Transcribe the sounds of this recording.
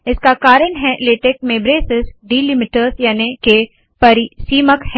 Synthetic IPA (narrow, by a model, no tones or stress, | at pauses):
ɪskakaːɾənɦɛleːʈeːk̚mẽbɾeːsɪsɖiːlɪmiʈəɾsjaːneke | pɐɾisiːməkh